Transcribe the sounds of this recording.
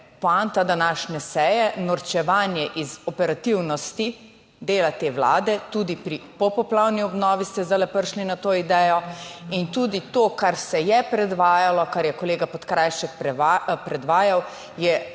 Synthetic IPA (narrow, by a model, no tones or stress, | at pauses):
pɔant̪ad̪anaːʃnɛsɛjɛnɔɾt͡ʃɛʋaːnjɛʔizɔpɛɾat̪iwnɔst̪i | d̪eːlat̪eːwla̰ːd̪ɛt̪uːd̪ipɾipɔpɔplawniɔbnɔːʋist̪ɛzalɛpəɾʃlinat̪oid̪ɛjɔint̪uːd̪it̪oːkaɾsɛjɛpɾɛd̪ʋaːjalɔkaɾjɛkɔleːɡapɔt̪kɾajʃɛkpɾɛpɾɛd̪ʋaːjaw | jɛ